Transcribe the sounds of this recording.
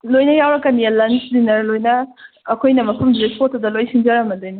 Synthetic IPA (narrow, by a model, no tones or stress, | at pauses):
lojnɐjawɾɐkːɐnijɐlɐnsdinɐɾlojnɐːkʰojnɐmɐpʰumzepʰotːudɐlojsiŋd͡ʒɐɾɐmɐdojni